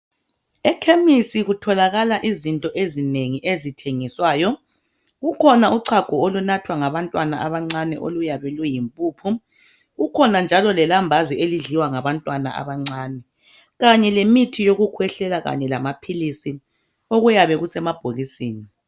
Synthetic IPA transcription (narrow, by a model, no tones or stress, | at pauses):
ɛkʰemisiɣutʰɔlaɣalaʔizintʼɔʔezineŋiʔezitʰeŋiswaːjɔ | ɣukʰɔnauǀʰaɡ̥ʱɔolunatʰwaŋaβantʼwana̰ʔaβaŋ͡ǀanɛ̰ʔo̰lujaβɛlujimpʼuːpʰu | ɣukʰɔnand͡ʒʱalɔlɛlambʱazieliɮiwaŋaβantʼwana̰ʔa̰βaŋ͡ǀaːnɛ | ɣaɲɛlemitʰijoɣukʰwɛɬɛlaɣa̰ɲɛlamapʰilisi | oɣujaβɛɣusɛmab̥ʱoɣisiːni